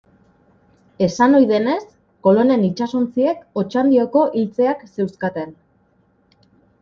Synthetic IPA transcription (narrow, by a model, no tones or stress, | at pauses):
e̞sano̞jðe̞ne̞s | ko̞lo̞ne̞nit͡ʃasont͡sie̞ko̞t͡ʃand̪io̞ko̞ʔilt͡se̞akse̞wskat̪e̞n